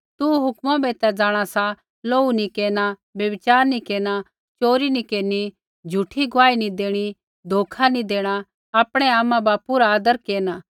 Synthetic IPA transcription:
t̪uɦʊkmãbeːt̪ɛd͡zaːɽ̃asa | loːunikeːñabjɐbɪt͡ʃaːɾnikeːña | t͡ʃoːɾinikeːni | d͡ʒʱuʈʰiɡʊʋaːinid̪eːɽ̃i | d̪ʱoːkʰanid̪eːɽ̃a | aːpɽ̃ɛaːmãbaːpuɾaaːd̪əɾkeːnaː

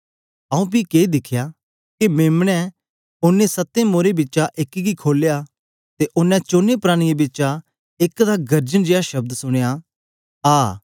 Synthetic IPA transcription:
aːũp̬ikeːd̪ɪkʰja | kemeːmɽ̃ɛ̃ | ʊnːesɐt̪ːẽmoːɾebɪt͡ʃaʔɪkɡikʰoːleja | t̪eʔʊnːɛ̃t͡ʃoːnepɾaːɽ̃ɪjebɪt͡ʃa | ɪkd̪aɡɐɾd͡ʒəñd͡ʒeːaʃɐb̚d̪sʊɽ̃eja | aː

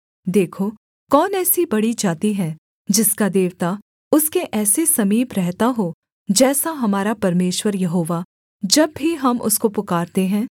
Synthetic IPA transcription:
d̪eːkʰo | kɔːnɛːsibɐɽid͡ʒaːt̪iɦɛ̃ː | d͡ʒɪskad̪eːʋt̪a | ʊskeʔɛːsesɐmiːbɾɛɦt̪aɦo | d͡ʒɛːsaɦɐmaːɾapɐɾmeːʃwəɾjɐɦoːʋa | d͡ʒɐbːiɦɐmʔʊ̰skopʊkaːɾt̪eɦɛ̃ː

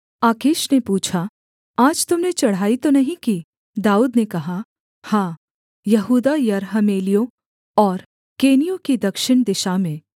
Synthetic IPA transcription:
aːkɪːʃnepuːt͡ʃʰa | aːd͡ʒt̪ʊmnet͡ʃɐɽ̤ɦaːit̪onɐɦĩki | d̪aːuːd̪nekɐɦa | hãː | jɐɦuːd̪ajɐɾɦɐmeːlijõ | ɔːɾ | keːnijõkid̪ɐkʃɪɳ̃d̪ɪʃamẽː

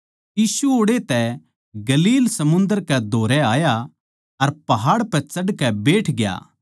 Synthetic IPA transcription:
jiːsuoːɽet̪ɛ | ɡɐliːlsɐmʊ̃nd̪əɾkɛd̪ʱoːɾɛaːja | ɐɾpɐɦaːɽpɛt͡sɐɖkɛbeːʈʰɡɪja̰ː

